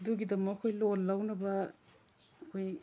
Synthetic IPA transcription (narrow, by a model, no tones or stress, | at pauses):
duɡidɐmɐɐkʰojlolːawnɐbɐ | ɐkʰoj